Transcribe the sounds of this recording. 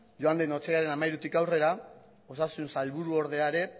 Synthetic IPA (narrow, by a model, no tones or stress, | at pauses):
ʝoand̪eno̞t͡seɣaɾe̞namajɾut̪ikawre̞ɾa | o̞sasunsalβuɾuo̞ɾð̞e̞aeɾe̞